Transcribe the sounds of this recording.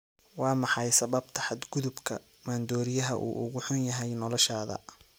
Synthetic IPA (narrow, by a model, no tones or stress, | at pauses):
wɑːmɑħɑjsɐβɐb̚t̪ʰɐ̥ħɑd̪ɡʊðʊbkʰɐ | maːnd̪ɔːɾɪjɐɦɐ̰ʔṵːʔʊ̰ɣʊħʊnjɐɦɛjnɔlɔʃaːðɐ̰